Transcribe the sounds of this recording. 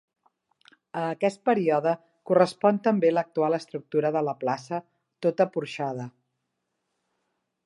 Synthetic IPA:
əːkɛst̪̚pəɾiɔðə | kurəspɔnt̪əmbelək̚t̪ualəst̪ɾuk̚t̪uɾəðələplasə | t̪ot̪əpuɾʃað̞ə

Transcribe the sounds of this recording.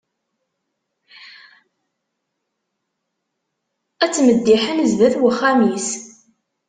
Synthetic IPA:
æt͡sːməd̪ːiħənəzðæθwəχːæmis

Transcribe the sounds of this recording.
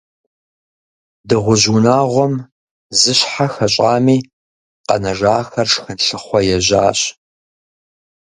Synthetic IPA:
dɨʁʷʊʑunaːʁʷɔm | zɨɕħaxɐɕʼaːmiː | qɐ̰nɐʒaːxɐrʂxɨnɬɨχʷɔjɛʒaːɕ

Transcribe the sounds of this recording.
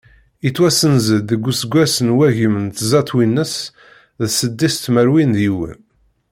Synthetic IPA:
it͡sːwæsənzəd̪ːəɡʷːusəɡʷːæsənwæʝəmənt̪zɑt̪ˤwinːəs | ðsəd̪ːist̪məɾwinðiwə̰n

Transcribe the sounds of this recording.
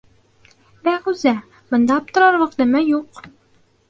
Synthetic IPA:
bæʁʉzæ | bŏnd̪ɑɒp̚t̪ɤ̆ɾɑɾwɤ̆qd̪ɘ̆mɘjuq

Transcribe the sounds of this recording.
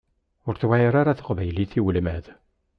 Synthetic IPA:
ʊɾθwæjɾaɾaθə̥qvæjliθiwəlmæð

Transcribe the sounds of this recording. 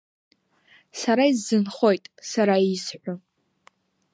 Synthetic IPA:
saɾaizːɨnχo̞jtʼsaɾaisħʷʊ

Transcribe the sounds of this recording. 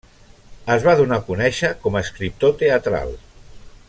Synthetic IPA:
əzβaðunakunɛʃəkɔməːskɾip̚t̪ot̪eət̪ɾa̰lˠ

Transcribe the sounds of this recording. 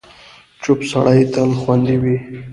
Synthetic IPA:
t͡ʃʊpsaɽajt̪alxwand̪iwi

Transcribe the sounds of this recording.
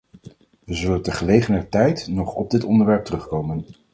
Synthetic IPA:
ʋəzɵləntəχəlejχənətɛjtnɔχɔb̚dɪtɔndəɹʋɛɹp̚tərɵχkowmən

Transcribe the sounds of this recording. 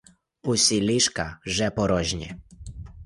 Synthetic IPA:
usiliʃkaʒɛpɔɾɔʒɲɛ̰

